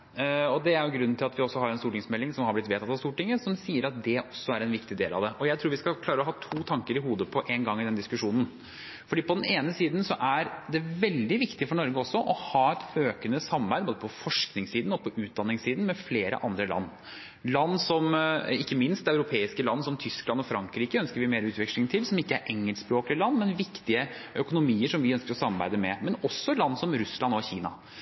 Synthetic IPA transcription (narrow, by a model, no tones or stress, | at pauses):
ɔd̪ɛæɾjʊɡɾʉnn̩t̪ɪlɑt̪ʋɪɔsːɔɦɑɾɛnst̪uːʈɪŋsmɛlːɪŋsɔmhɑɾblɪt̪ʋeːt̪ʰɑt̪ːɑʋst̪uːʈɪŋːəsɔmsiːəɾɑt̪̚d̪ɛʔɔsːɔæɾɛnʋɪkt̪ɪd̪ḛːlɑ̰ʋd̪ɛʔɔjæɪt̪ʰɾuːɾʋɪskɑkʰlɑːɾəɔɦɑːt̪ʰuːt̪ʰɑŋkəɾɪɦuːd̪əpʰɔʔeːnɡɑŋːɪd̪ɛnd̪ɪskʉʂuːnn̩ | fɔɖiːpʰɔd̪ɛneːnəsiːd̪nsɔʔæɾd̪ɛʋɛld̪ɪʋɪkt̪ɪfɔɳɔɾɡəɔsːɔʔɔhɑːɛt̪øːkənəsɑmːɑɾbæɪəboːd̪əpʰɔfɔʂknɪŋsiːd̪n̩ɔpʰɔʔʉːt̪̚d̪ɑnːɪŋsiːd̪n̩mɛfleːɾə̰ʔɑ̰nd̪ɾəlɑ̰nː | lɑnːsɔmɪkːəmɪnst̪æʉɾʊpʰeːɪskəlɑnːsɔmt̪ʰʏsklɑnːɔfɾɑŋkɾiːkəœnskəɾʋɪmeːɾʉːt̪ʋɪkʂlɪŋt̪ʰɪlsɔmɪkːəæɾʔɛŋːəlspɾoːklɪəlɑnːmɛnʋɪkt̪ɪəʔœkʊnʊmiːəʂɔmʋɪœnskəɾɔsɑmːɑɾbæ̰ɪd̪əmɛmɛnɔsːɔlɑnːsɔmɾʉslɑnɔçiːnɑ̰